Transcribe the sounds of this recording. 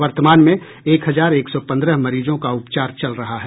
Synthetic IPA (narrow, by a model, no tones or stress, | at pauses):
ʋəɾt̪əmaːnmẽ | eːkɦɐd͡ʒaːɾeːksɔːpɐ̃nd̪ɾəɦmɐɾiːd͡ʒõkaʊpt͡ʃaːɾt͡ʃɐlɾɐɦaɦɛ